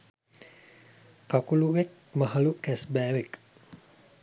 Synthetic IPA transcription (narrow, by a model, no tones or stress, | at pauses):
kakuluʋek̚ | məɦəlukɛsbɛːʋek